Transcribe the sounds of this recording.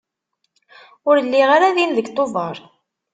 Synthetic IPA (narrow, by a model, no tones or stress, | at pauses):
ʊɾəlːiʁaɾaðinðəɡt̪ˤːovɑɾˤ